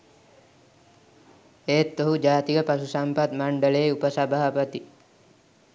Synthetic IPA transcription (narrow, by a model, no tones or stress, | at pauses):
eːt̪ːoɦud͡ʒaːt̪iɡəpasusampat̪maɳɖəɭeːupəsabaɦapət̪i